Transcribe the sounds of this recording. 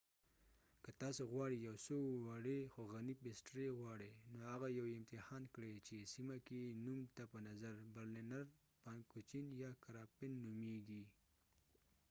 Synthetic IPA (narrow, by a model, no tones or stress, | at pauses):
kət̪ɑsoɣwɑɽijawsowaɽexoɣanipesʈɾeɣwɑɽenoaɣajawɪmt̪ɪhɑnkɽet͡ʃesimakenumt̪apənazaɾbaɾlenaɾ | pɑnkut͡ʃinjɑkaɾɑpɪnːumeɡi